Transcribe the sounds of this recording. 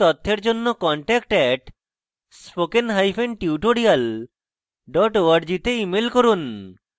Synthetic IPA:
t̪ɔt̪ʰːeɾd͡ʑonːokɔɳʈɛk̚ʈɛʈ | spokenɦajfʰenʈiuʈoɽial | ɖɔʈoaɾd͡ʑit̪eimelkoɾun

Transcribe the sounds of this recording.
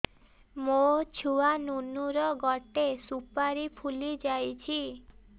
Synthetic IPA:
mot͡ʃʰuanunuɾɔɡɔʈesupaɾipʰulid͡ʒajt͡ʃʰi

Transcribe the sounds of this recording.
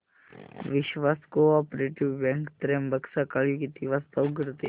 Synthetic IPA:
ʋɪʃʋaːskoɔːpɾeʈɪʋbɛ̃ŋkt̪ɾembəksakalikit̪iʋast̪ɐɡəɾt̪e

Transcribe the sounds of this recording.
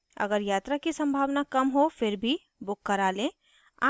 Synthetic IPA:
ɐ̰ɡəɾjaːt̪ɾakisɐ̃mbʱaːʋnakɐmɦofɪɾbʱi | bʊkːəɾaːlẽː | a̰ː

